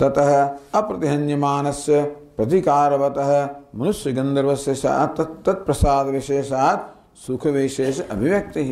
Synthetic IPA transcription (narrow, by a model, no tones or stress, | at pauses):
t̪ɐt̪ɐɦɐ̆ɐpɾɐt̪iɦɐnjɐmaːnɐsjɐ | pɾɐt̪ikaːɾɐʋɐt̪ɐɦɐ̆mɐnuʃjɐɡɐnd̪ɐɾɐʋɐsjɐʃa̰ːt̪ɐt̪ːɐt̪̚pɾɐsaːd̪ɐʋiʃeːʃaːt̪̚ | sukʰɐʋeʃeːʃɐʔɐ̰bʱiʋjɐk̚t̪iɦ